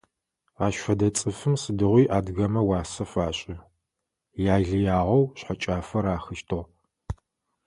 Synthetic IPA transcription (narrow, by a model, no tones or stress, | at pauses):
aːʃfɐdɐt͡sʼɨfɨmsɨdɨʁʷiːʔaːdɣɐmɐwɑːsɐfaːɕʼɪ | jaːɮɨjaːʁɐwɕħat͡ʃʼaːfɐɾaːxɨʃtʰoʁ